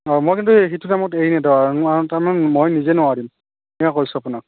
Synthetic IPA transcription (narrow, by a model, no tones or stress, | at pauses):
amojkintuɦitunamɔteɹinɛdaaataɹmanɛmojnizɛnʊadim | ɛakojsʊapʊnak̚